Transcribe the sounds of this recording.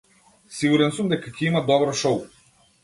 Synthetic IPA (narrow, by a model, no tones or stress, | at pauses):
siɡuɾɛnsɔmd̪ɛkakʰʲɛimad̪ɔbɾɔʃɔw